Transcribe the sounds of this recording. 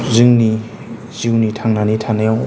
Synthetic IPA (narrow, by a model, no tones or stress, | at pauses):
zɯŋni | z̥iwnitʰaŋnanitʰanajaŋ